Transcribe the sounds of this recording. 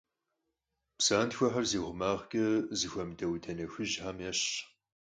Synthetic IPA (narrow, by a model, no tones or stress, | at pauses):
psaːntxʷɐħɐrziːʁʷʊmaːʁkʼɐzɨxʷɐmdɐwdʰɐnɐxʷɨʒħamjɛɕ